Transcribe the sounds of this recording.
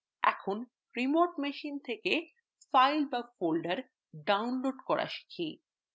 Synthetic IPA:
ɛ̰kʰon | ɾimoɾʈmeʃint̪ʰeke | fajlbafolɖaɾ | ɖawnloɖkɔɾʔa̰ʃi̥kʰi

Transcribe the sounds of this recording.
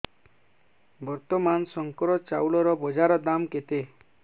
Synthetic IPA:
bɔɾt̪ɔmansɔŋkɔɾɔt͡ʃawlɔɾɔbɔd͡ʒaɾɔd̪amket̪e

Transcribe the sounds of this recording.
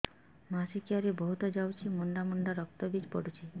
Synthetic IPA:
masikiaɾebɔɦut̪ɔd͡ʒawt͡ʃʰimuɳɖamuɳɖaɾɔk̚t̪ɔbid͡ʒpɔɽut͡ʃʰi

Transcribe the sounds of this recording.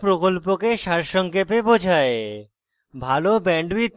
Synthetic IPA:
pɾokolpokeʃaɾʃɔŋkepebod͡ʑʱae | bʱalobɛɳɖwit̪

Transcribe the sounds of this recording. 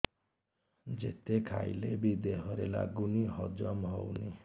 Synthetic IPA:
d͡ʒḛt̪ekʰa̰jlebid̪eɦɔɾela̰ɡuniɦɔd͡ʒɔmɦɔwni

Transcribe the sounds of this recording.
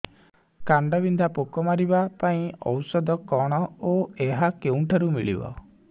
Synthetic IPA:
kaɳɖɔbind̪ʱapokɔmaɾibapaĩɔ̰wsɔd̪ɔkɔɽ̃ɔoeɦakeũʈʰaɾumiɭḭbɔ̰

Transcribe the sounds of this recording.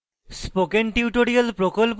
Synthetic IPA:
spokenʈiuʈoɽialpɾokolp

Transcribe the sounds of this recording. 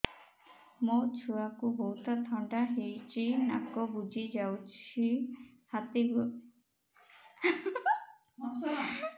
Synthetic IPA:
mot͡ʃʰuakuboɦut̪ɔt̪ʰɔɳɖaɦejt͡ʃina̰kɔbud͡ʒʱid͡ʒawt͡ʃʰi | hat̪iɡu

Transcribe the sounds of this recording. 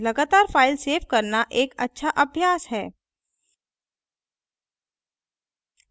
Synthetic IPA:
lɐɡaːt̪aːɾfaːɪlseːfkɐɾnaʔeːkɐtːʃʰaʔɐbʱjaːsɦɛː

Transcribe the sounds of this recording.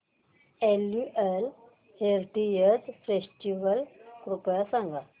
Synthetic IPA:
elːuʔel | heɾʈijəd͡zfesʈiʋəlkɾupjasãŋɡa

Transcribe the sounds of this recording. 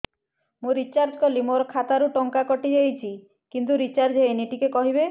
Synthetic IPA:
muɾit͡ʃaɾd͡ʒkɔlimoɾɔkʰat̪aɾuʈɔŋkakɔʈid͡ʒejt͡ʃʰi | kint̪uɾit͡ʃaɾd͡ʒɦeeniʈikekɔɦibe

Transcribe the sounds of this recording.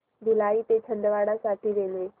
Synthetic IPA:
d̪ʱɪlaːit̪et͡ʃʰɐ̃nd̪ʋaːɽasaːʈ̪ʰiɾeːnɦeː

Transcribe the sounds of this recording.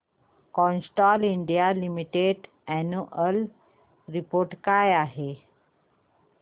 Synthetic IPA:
kɔ̃nsʈɔliɳɖijalimiʈeɖ | ɛnuʔəl | ɾipoɾʈkajaɦe

